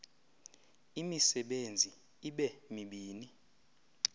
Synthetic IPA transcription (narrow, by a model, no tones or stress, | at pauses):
imisɛɓend͡zʱi | iɓɛmiɓiːni